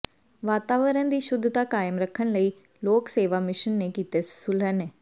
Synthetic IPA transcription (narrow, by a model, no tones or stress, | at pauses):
ʋaːt̪aːʋəɾənd̪iːʃʊd̪ʱːt̪aːkaːjəmɾəkʰːənləiː | loːkseːʋaːmɪʃənːeːkiːt̪eːssʊləneː